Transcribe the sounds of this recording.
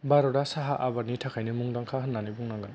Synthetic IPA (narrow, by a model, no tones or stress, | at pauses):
baɾɔdasaɦaʔabaɾnitʰakʰajnimuŋdaŋkʰaɦɯnːanibuŋnaŋɡɯn